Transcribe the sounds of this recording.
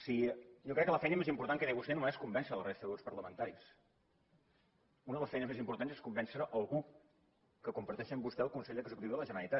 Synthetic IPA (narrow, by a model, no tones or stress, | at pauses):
sijɔkɾɛkːələfɛjnəmezimpuɾt̪aŋkəðɛβust̪ɛnumeskumbɛnsələrest̪əðəospəɾləmənt̪aɾis | unəðələsfɛjnəzmezimpuɾt̪anzeskumbɛnsɾəʔəlˠɣu | kəkumpəɾt̪ɛʃiəmbust̪ɛəlˠkunseʎəɡzəkut̪iwðələʒənəɾəlit̪a